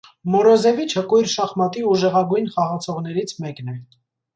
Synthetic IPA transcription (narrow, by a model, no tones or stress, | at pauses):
mɔɾɔzɛvit͡ʃʰəkujɾʃɑχmɑt̪iuʒɛʁɑɡujnχɑʁɑt͡sʰɔʁn̪ɛɾit͡sʰmɛknɛ